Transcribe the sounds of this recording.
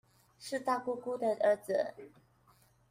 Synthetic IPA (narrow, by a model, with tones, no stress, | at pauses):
ʂɻ̩˥˧t̪a˥˧ku˥ku˥˩d̪ə˨ʔə˧˥d͡z̩˨˦